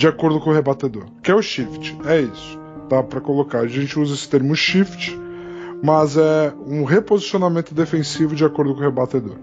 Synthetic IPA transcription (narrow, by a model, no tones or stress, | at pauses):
d͡ʒiakoɾd̪ʊkõʊɦebat̪ed̪oɾkɪɛʊʃift͡ʃɪ̥ɛisʊ̥ | d̪apɾɐkolokaɾɐʒẽnt͡ʃɪuzɐesɪ̥t̪eɾmɪʃift͡ʃɪ̥ | mɐzɛũɦepozisionamẽnt̪ʊd̪efẽsivʊd͡ʒiakoɾd̪ʊkõʊhebat̪ed̪o̰ɾ